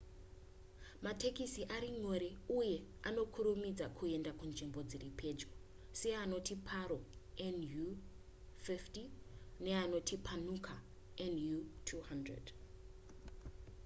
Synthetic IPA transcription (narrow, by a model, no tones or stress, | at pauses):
matʰe̞kisiʔaɾiŋo̞ɾeuje̞ano̞kʰuɾumid͡zakʰue̞ndakund͡ʒimbo̞d͡ziripʰe̞d͡ʒɡo | seano̞tipʰaɾo̞enju | fiftine̞ano̞tʰipʰanukʰa | enjutʰuhandrḛd